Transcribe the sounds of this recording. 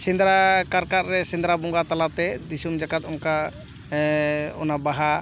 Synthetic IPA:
sĩnd̪ɾakaɾkat̪ɾɛsĩnd̪ɾabɔŋɡat̪alap̚t̪ɛd̪isumd͡ʒakat̪ɔmka | ɔnabaɦa

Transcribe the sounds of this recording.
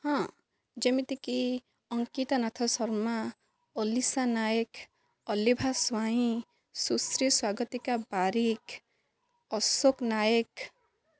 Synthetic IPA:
hã | d͡ʒemit̪iki | ɔŋkit̪anat̪ʰasɔɾma | ɔlisanajək | ɔlibʱaswaɦĩ | susɾiswaɡət̪ikabaɾik | ɔsoknajek

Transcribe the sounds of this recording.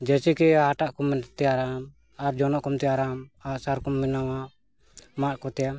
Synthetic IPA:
d͡ʒɛt͡ʃikɛaʈaʔkumt̪ɛaɾam | aɾd͡ʒɔnɔʔkumt̪ɛaɾamaʔsaɾkumːinawa | maʔkɔt̪ɛja

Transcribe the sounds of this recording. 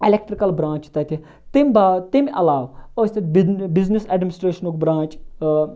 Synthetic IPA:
elek̚ʈɾikɐlbɾãːt͡ʃt̪ɐt̪ʰi | t̪imbat̪imɐlaːʋost̪ɐt̪bbizniseɖmʲinɪsʈɾeːʃɐnokbɾãːt͡ʃ

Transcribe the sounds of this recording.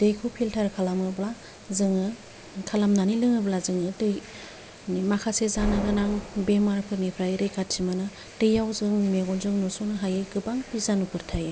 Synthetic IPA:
d̥ɯjkʰupʰiltʰaɾkʰalamɯbla | zɯŋɯ | kʰalamnanilɯŋɯblazɯŋɯdɯj | makʰasezanaɡɯnaŋbemaɾpʰɯɾnipʰɾajɾekatsʰimanɯ | d̥ɯjawzɯŋmeɡɔnzɯŋnɔsɔnɯɦajɯɡɯbaŋpizanukʰɯɾtʰajɯ

